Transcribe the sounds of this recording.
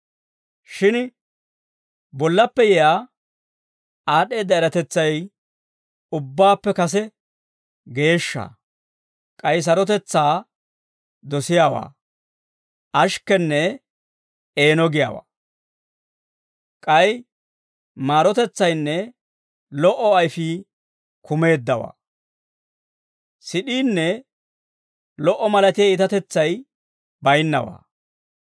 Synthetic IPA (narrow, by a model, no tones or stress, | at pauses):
ʃɪn | bɔlːɐpːɛjɛjaː | aːɗe̞ːd̪ːɐɛɾɐt̪ɛt͡sːɐj | ʊbːaːpːɛkɐs̬ɛ | ɡe̞ːʃːa̰ː | kʼɐjs̬ɐɾɔt̪ɛt͡sːaː | d̪ɔsɪjaːwa̰ː | ʔɐʃkːɛnːɛ | e̞ːnɔɡɪja̰ːwa̰ː | kʼɐj | maːɾɔt̪ɛt͡sːɐjnːɛ | lɔʔɔɐjfɪ | kʰʊme̞ːd̪ːɐwa̰ː | sɪɗiːnːɛ | lɔʔːɔmɐlɐt̪ɪjɐɪt̪ɐt̪ɛt͡sːɐj | bɐjnːɐ̰wa̰ː